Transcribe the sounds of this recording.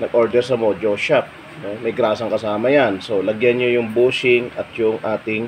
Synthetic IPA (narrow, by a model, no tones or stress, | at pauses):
nɐɡʔoɹd̪ɛɾsɐmod͡ʒoʃap̚ | nomɐjɡɾaːsɐŋkɐsaːmɐjanso̞lɐɡjanɲojʊŋbuːsɪŋɐt̪jʊŋʔaːt̪ɪŋ